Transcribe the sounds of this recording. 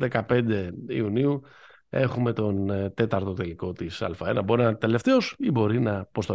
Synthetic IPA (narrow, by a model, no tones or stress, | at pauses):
ðekɐpe̞nd̪e̞iuniu | e̞xume̞t̪o̞nt̪e̞t̪ɐɾt̪o̞t̪e̞liko̞t̪isɐ̰lfɐenɐbo̞ɾinɐt̪e̞le̞ft̪e̞o̞sibo̞ɾinɐpo̞st̪o